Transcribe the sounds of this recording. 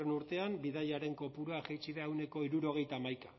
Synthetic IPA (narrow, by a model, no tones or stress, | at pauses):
renuɾt̪e̞ambiðajaɾe̞ŋko̞puɾuaxejt͡ʃiðaewne̞ko̞iɾuɾo̞ɣ̞e̞jt̪aːmajka̰